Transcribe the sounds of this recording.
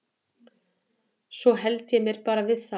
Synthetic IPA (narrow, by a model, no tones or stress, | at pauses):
sɔɦɛlt̪jɛmjɛɾ̥paːɾavɪðθa